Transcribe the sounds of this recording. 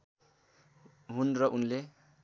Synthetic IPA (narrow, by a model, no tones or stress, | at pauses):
ɦunrʌʔunle